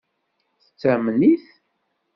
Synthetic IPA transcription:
θə̥t͡sːæmniθ

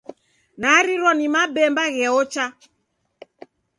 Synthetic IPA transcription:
naɾiɾɔnimabɛmbaɣɛɔt͡ʃa

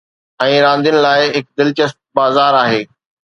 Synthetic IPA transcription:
ɛ̃ːɾãːnd̪ijʊnɪ̆laːɪɦɪk̚d̪ɪlt͡ɕəst̪̚baːzaːɾaːɦeː

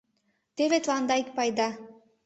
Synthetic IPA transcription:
t̪eβet̪lɑnd̪ɑik̚pɑjd̪ɑ

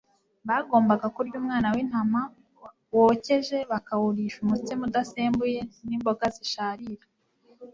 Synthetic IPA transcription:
βaɡo̞ːmbaɡakuɾɟuːmŋaːnawin̥hama | woːce̞ʒe̞βakawuɾiʃumut͡semudaseːmbuje̞nimbo̞ɡaziʃaːɾiɾa

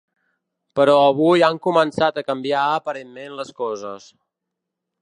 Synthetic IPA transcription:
pəɾɔəβ̞ujaŋkumənsat̪əkəmbiaəpəɾemːenləskɔzəs

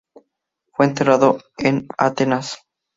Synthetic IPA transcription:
fweːnt̪eraðoena̰t̪enas

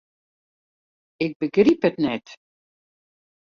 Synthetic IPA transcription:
ɪk̚bəɡriphətnɛt

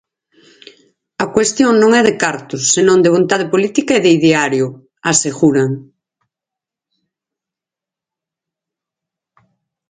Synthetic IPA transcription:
ɐkwest̪joŋnõŋɛðekaɾt̪ʊsːenõŋd̪eβ̞ont̪aðepolit̪ikaeðeiðeaɾjʊ | aseɣuɾaŋ

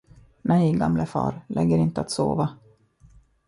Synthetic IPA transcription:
nɛjɡamlʔəfɑ̰ːɾlʔɛɡːəɾɪnt̪əat̪soːva

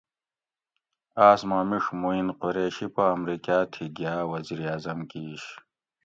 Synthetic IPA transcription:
aːsmaːmiʂmuinqoɾeːɕipɐːmɾikaːt̪ʰiɡjaːwɐziːɾiaːzɐmkiːɕ

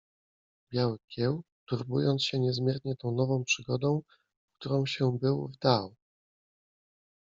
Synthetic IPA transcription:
bʲjawkʲɛw | t̪uɾbṵjɔnt̪ɕɛɲɛzmʲjɛɾɲɛt̪ɔ̃w̃nɔvɔ̃w̃pʂɘɡɔd̪ɔ̃w̃ | k̚t̪uɾɔ̃w̃ɕɛbɘwvd̪aw

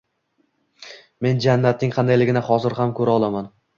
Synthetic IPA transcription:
me̞nd͡ʒanːat̪̚nɪŋqʰɑnd̪ajlɪɡʲɪnahɒzɪɾhamkʰɵɾaɒlˠaman

